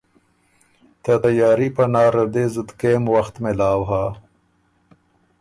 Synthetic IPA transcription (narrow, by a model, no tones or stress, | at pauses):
t̪at̪ajɑːɾipɐnɑːɾad̪ezɪd̪kemwaxt̪mɪlɑːwɦa